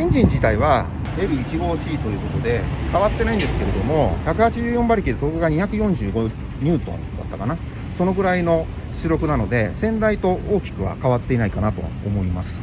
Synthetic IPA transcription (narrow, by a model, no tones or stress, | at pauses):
ĩɲ̟d͡ʑĩɲ̟d͡ʑit̪aiβ̞a | ɾeɾɯ̟it͡ɕiɡo̞ːɕiːt̪o̞jɯ̟ːko̞t̪o̞d̪e̞kaβat̪ːe̞naĩnd̪e̞sɨ̥ke̞ɾe̞d̪o̞mo̞çakɯ̟hat͡ɕiʑɨːjõ̞mbaɾʲikʲid̪et̪okɯ̟ɡaɲ̟içakɯ̟jõ̞ɲ̟d͡ʑɨːɡo̞ | ɲ̟ɨːt̪õ̰nd̪a̰t̪ːakana | so̞no̞ɡɯ̟ɾaino̞ | ɕɨɾo̞kɯ̟nano̞d̪e̞sẽ̞nd̪ait̪o̞ʔoːkʲi̥kɯ̟βa̰kaβat̪ːe̞inaikanat̪o̞ | omo̞imasɨ̥